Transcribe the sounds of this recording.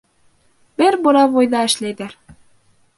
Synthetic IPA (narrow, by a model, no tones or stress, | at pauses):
bɘɾbuɾɑvojðɑɘ̆ʃlæjðæɾ